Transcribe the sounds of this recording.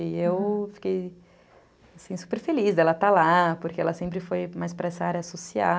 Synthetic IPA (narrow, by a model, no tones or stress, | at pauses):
iewfi̥kej | asĩsu̥peɾfelizd̪ɛlɐt̪alapoɾkeɛlɐsẽmpɾɪfojmajspɾɐɛsɐaɾjɐsosia